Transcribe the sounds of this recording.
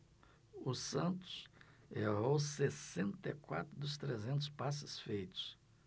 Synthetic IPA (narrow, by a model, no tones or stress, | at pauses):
ʊsɐ̃nt̪ʊ̥seɦowsesẽnt̪ekwa̰t̪ɾʊd̪ʊst̪ɾezẽnt̪̬ʊ̥spasɪ̥sfejt̪ʊ̥s